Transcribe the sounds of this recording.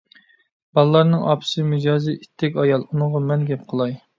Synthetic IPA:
b̥ɑlˠlˠɑɾnɨŋʔɑ̰pʰɨ̥sɨmyd͡ʒɑːzɨʔit̪ʰːɛkʲɑjɑlˠunɨŋʁɑmɛnɡʲɛp̚qʰəlˠɑj

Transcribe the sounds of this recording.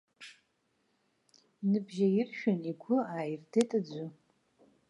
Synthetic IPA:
nɨbʒɐjɪrʃᶣʊniɡʷʊaːjrdetʼɨd͡ʑʷʊ

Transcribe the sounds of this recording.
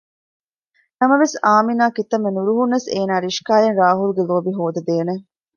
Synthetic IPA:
nɐmɐʋesaːminaːkit̪ɐmːenuɾuɦunːɐseːnaːɾiʃkaːjenɾaːɦulɡeloːbiɦoːd̪ɐd̪eːne

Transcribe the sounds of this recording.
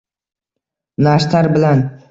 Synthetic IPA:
naʃt̪ʰaɾbɪlan

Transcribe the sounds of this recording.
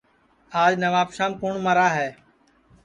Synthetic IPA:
aːd͡ʒnəʋaːbʃaːmkʊɳməɾaːɦɛː

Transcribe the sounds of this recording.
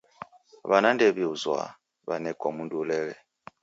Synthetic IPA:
βanandɛβiuzwa̰ | βanɛkɔmundulɛlɛ

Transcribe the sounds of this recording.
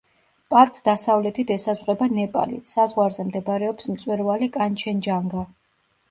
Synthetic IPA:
pʼaɾkʼsd̪asavlɛt̪ʰid̪ɛsazʁwɛbanɛpʼa̰lḭsazʁwaɾzɛmd̪ɛbɾɛɔpsmt̪sʼwɛɾvalikʼant͡ʃʰɛnd͡ʒaŋɡa

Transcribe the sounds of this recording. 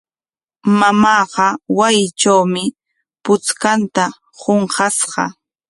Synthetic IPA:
mamɑːɢɑwajɪt͡ʃawmɪ | pʊt͡skant̪a | hoɴɢɑsɢɑ̰

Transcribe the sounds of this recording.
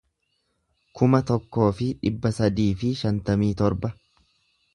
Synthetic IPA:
kʊmɐt̪ɔkːo̞ːfɪᶑɪbːɐsɐd̪iːfɪʃɐnt̪ɐmiːt̪ɔɾbɐ

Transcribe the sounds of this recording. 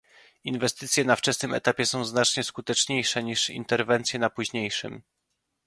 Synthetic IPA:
invɛst̪ɘt̪sʲjɛnaft͡ʂɛsnɘmɛ̰t̪apʲjɛsɔ̃w̃znat͡ʂɲɛskut̪ɛt͡ʂɲejʂɛɲiʂḭnt̪ɛɾvɛnt̪sʲjɛnapuʑɲejʂɘ̰m

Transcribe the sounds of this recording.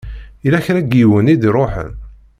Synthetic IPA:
ilæçɾæɡiwənid̪ɾˤoħə̰n

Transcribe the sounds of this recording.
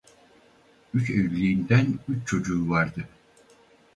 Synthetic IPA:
yt͡ʃejyɾlʲiind̪ænyt͡ʃt͡ʃʰo̞d͡ʒuːvaɾd̪ɯ

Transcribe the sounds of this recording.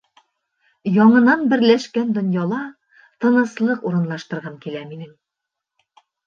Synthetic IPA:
jɒɴɤ̆nɑnbɘ̆ɾlæʃkænd̪ŏnjɑlˠɑ | t̪ɤ̆nɤ̆slˠɤquɾɤ̆nlˠɑʃt̪ɤ̆ɾʁɑmkilæminɘŋ

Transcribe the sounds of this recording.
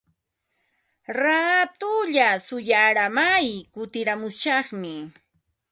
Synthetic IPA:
ɾat̪ʊʎasʊjaɾamajkʊt̪ɪɾamʊsʃɑχmɪ

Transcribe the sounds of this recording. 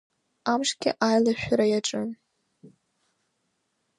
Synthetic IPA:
amʂɡʲɪ̰ʔajlaʃʷᶣaɾajaʈ͡ʂʼɨn

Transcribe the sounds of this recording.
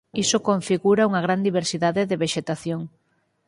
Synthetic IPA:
isokõɱfiɣuɾauŋɐɣɾand̪iβ̞eɾsiðaðɪðeβeʃet̪aθjoŋ

